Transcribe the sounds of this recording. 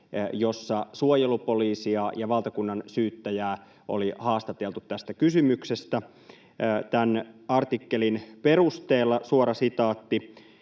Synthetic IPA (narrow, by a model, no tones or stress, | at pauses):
jo̞sːɑsuojelupo̞liːsiɑjɑʋɑlt̪ɑkunːɑnsyːt̪ːæjæː | ʔo̰lihɑːst̪ɑt̪elt̪ut̪t̪æst̪ækysymyksest̪æː | t̪ænɑrt̪ikːelinpe̞rust̪eːlːɑsuoɾɑsit̪ɑːt̪ːi